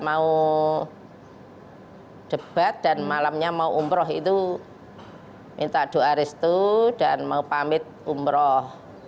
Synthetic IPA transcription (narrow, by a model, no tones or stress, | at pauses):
mau | d̥əb̥at̪̚d̥anmalamɲamauʔumbɾɔɦit̪u | mint̪aʔd̥o̤aɾɪst̪ud̥anmaupamɪt̪̚umbɾɔh